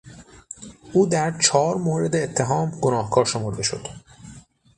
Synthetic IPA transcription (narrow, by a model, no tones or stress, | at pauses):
ʔuːd̪æɾt͡ʃʰɒːɾmoːɾe̞d̪eːt̪ʰːe̞ɦɒːmɡonɒːhkʰɒːɾʃo̞moɾd̪eʃo̞̰d̪̥